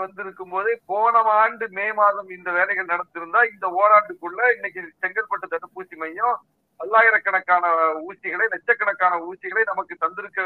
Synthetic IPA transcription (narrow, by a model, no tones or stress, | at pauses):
ɐnd̪ɪɾɯkːɯmpoːðɯpoːɳɐmaːɳɖɯmeːmaːðɐmɪnd̪ɐʋeːlɐɪɣɐɭnɐɽɐt̪ːɪɾɯnd̪aːɪnd̪ɐoːɾaːɳɖɯkɯɭːɐɪnːɐkːɯt͡ʃɛŋɡɐlpɐʈːɯt̪ːɐɽɯpːuːsimɐjːõː | ɐlːaːɣɪɾɐkːɐɳɐkːaːnɐuːsɪɣɐɭɐɪnɛt͡ʃːɐkːɐɳɐkːaːnɐuːsɪɣɐɭɐɪnɐmɐkːɯt̪ɐnd̪ɪɾɯkːɐ